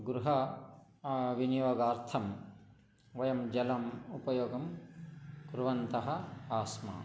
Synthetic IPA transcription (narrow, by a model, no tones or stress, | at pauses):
ɡɾuɦɐ | ʋinijoːɡaːɾt̪ʰɐm | ʋɐjɐmd͡ʒɐlɐmupɐjoːɡɐm | kɾuʋɐnt̪ɐɦɐ̆aːsma̰ː